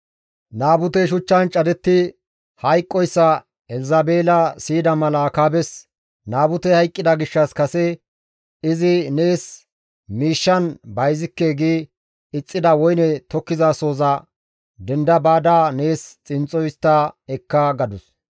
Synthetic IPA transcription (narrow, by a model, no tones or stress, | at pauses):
naːbʊt̪ɛʃ̬ʊt͡ʃːɐnt͡ʃʼɐd̪ɛt̪ːɪ | hɐjkʼːɔjsːɐ | ɛlɪzɐbe̞ːlɐsiːd̪ɐmɐlɐkaːbɛs | naːbʊt̪ɛhɐjkʼːɪd̪ɐɡɪʃːɐskɐsɛ | ɪzɪne̞ːs | miːʃːɐnbɐjzɪkːeːɡi | ɪt͡sʼːɪd̪ɐwɔjnɛt̪ɔkːɪzaːso̞ːzɐ | d̪ɛnd̪ɐbaːd̪aːne̞ːst͡sʼɪnt͡sʼɔjst̪ːɐɛkːɐɡɐd̪ʊs